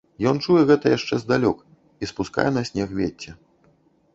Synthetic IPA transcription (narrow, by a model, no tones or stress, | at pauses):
jɔnt͡ʂujɛɣɛt̪ɐjaʂt͡ʂɛzd̪alʲɔk | ispuska̰jɛnɐsʲnʲɛxvʲet͡sʲːɛ